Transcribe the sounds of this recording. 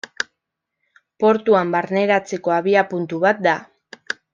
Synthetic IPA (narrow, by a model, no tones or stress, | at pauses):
po̞ɾt̪uambaɾne̞ɾat͡se̞ko̞aβiapunt̪uβat̪̚d̪a